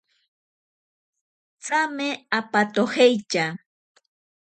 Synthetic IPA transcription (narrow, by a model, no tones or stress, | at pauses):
t͡sameapat̪ohejt͡ʃa